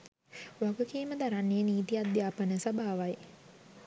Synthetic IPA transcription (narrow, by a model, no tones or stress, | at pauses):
ʋaɡukiːməd̪aɾanːeəniːt̪ijat̪̚d̪jaːpənəsabaːʋaj